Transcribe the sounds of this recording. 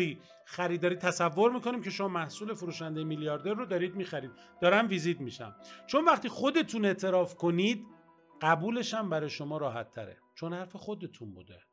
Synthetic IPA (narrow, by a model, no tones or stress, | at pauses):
iː | xæɾiːd̪ɒːɾiːt̪ʰːæsævːoɾmiːkʰo̞niːmcʰe̞ʃo̞mɒːmæhsuːle̞foɾuːʃænd̪ejemilijɒːɾd̪e̞ɾːod̪ɒːɾiːd̪miːxæɾiːd̪̥̚ | d̪ɒːɾæmviːzid̪miʃæ̰mt͡ʃʰo̞nvæχt̪iːχo̞d̪e̞t̪ʰune̞ʔt̪ʰe̞ɾɒːfkʰo̞niːd̪ | ɢæbuːle̞ʃæmbæɾɒːjeʃo̞mɒːɾɒːɦæt̪ʰːæ̰ɾḛt͡ʃʰo̞nhæɾfexo̞d̪e̞t̪ʰunbṵːd̪ḛ